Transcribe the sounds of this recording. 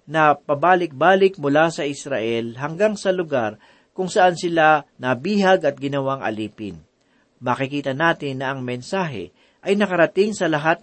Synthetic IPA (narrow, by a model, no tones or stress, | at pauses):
nɐpɐbaːlɪk̚baːlɪk̚mʊlasɐʔɪsɾaʔɛlɦɐŋɡaŋsɐlʊɡaɾ | kʊŋsɐʔansɪlanɐbiːhɐɡɐt̪̚ɡɪnɐwaŋʔɐ̰liːpɪ̰n | mɐkɪkiːt̪ɐnaːt̪ɪnːɐʔɐŋmɛnsaːɦɛ̰ | ʔɐjnɐkɐɾɐt̪ɪŋsɐlɐɦat̪̚